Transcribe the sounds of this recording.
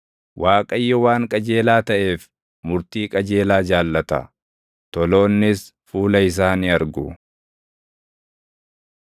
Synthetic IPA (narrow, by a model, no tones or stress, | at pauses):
wʔaːkʼɐjːɔwaːŋkʼɐd͡ʒe̞ːlaːt̪ɐʔe̞ːf | mʊɾt̪iːkʼɐd͡ʒe̞ːlaːd͡ʒaːlːɐt̪ɐ̰ | t̪ɔlo̞ːnːɪs | fuːlɐɪs̬aːniɐɾɡʊ